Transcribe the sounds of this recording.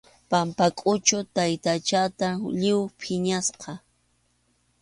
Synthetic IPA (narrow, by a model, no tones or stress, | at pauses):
pampakʼʊt͡ʃʊt̪ajt̪at͡ʃat̪aʎɪwpʰɪɲasqɑ